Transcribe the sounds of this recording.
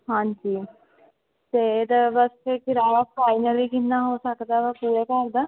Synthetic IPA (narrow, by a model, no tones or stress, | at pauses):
ɦãːɲd͡ʒiː | t̪eːd̪abəsekɪɾaːjapʰaːɪnəlikɪnnːaɦoːsəkd̪aːʋəpuːɾekəɾd̪aː